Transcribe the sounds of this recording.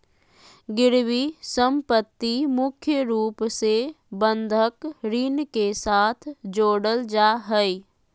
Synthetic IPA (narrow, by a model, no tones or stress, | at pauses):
ɡɪɾwisəmpət̪ːimʊkʰjəɾuːpse | bənd̪ʱəkɾinkesaːt̪ʰd͡ʒoːɽəld͡ʒaɦəj